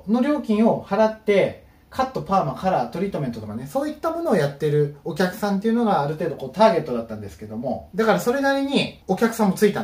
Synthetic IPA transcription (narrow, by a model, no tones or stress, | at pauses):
no̞ɾʲo̞ːkʲĩɰ̃o̞haɾat̪ːe̞ | kʰat̪ːo̞paːmakaɾat̪o̞ɾʲiːt̪ome̞nt̪ot̪o̞kaneso̞ːit̪ːamo̞no̞ːjat̪ːe̞ɾɯ̟o̞kʲakɯ̟̥sãnt̪̬eiɯ̟no̞ɡaːɾɯ̟t̪e̞ːd̪o̞ko̞ːt̪aːɡe̞t̪ːo̞d̪at̪ːãnd̪e̞sɨ̥ke̞d̪o̞mo̞d̪akaɾaso̞ɾe̞naɾʲiɲ̟io̞kʲakɯ̟sãmːo̞t͡sɨit̪a